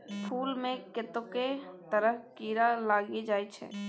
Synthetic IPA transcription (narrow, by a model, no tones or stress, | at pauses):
pʰuːlmẽkɪt̪õket̪əɾəɦkiːɾalaːɡid͡ʒaːit͡ʃʰɛ̰ː